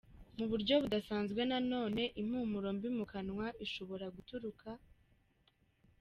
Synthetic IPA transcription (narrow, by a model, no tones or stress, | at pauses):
muβuɾɟo̞βudasaːnzɡwe̞nano̞ːne̞ʔim̥huːmuɾombimukanŋwaiʃo̞βo̞ɾaɡutuɾukʰa